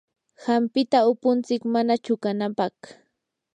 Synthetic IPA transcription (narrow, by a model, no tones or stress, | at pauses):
hampɪt̪aʊpʊnt͡sɪkmanat͡ʃʊkanapɑχ